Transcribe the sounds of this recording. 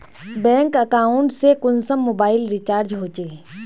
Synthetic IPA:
bɛ̃ːŋkəkaːʊ̃ɳʈsekʊnsəmːoːbaːɪlɾit͡ʃaːɾd͡ʒɦoːt͡ʃeː

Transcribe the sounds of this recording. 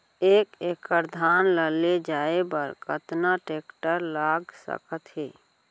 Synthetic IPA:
ekekəɾd̪ʱanləled͡ʒaebəɾkət̪naʈekʈəɾlaɡsə̰kət̪ɦe

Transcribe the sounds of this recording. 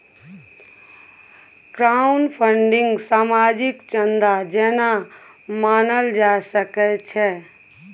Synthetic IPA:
kɾaunpʰəɳɖɪ̃ŋɡsaːmad͡ʒikt͡ʃənd̪ad͡ʒɛna | maːnəld͡ʒasəkɛt͡ʃʰɛ

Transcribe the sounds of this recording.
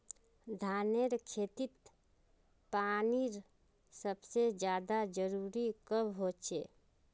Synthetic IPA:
d̪ʱaːneɾkʰeːt̪it̪ | paːniɾ | səbsed͡ʒjaːd̪ad͡ʒəɾuːɾikəbɦot͡ʃe

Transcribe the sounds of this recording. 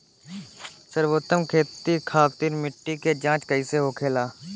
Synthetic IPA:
səɾʋoːt̪əmkʰeːt̪ikʰaːpt̪iːɾmɪʈːiked͡ʒãːt͡ʃkəiːseːɦoːkʰeːlaː

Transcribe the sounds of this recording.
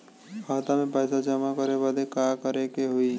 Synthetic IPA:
aːt̪amẽpaɪsad͡ʒəmakəɾebad̪ekakəɾekeɦoi

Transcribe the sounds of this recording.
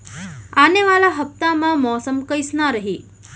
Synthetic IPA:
aneʋalaɦəp̚t̪amãmɔsəmkəjsnaɾəɦi

